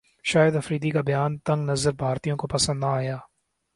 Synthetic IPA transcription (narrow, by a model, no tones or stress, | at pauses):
ʃaːjəd̪ɐfɾiːd̪ikabɐjaːnt̪ɐ̃ŋɡnɐzəɾbʱaːɾt̪ijõkopɐsə̃nd̪naaːjaː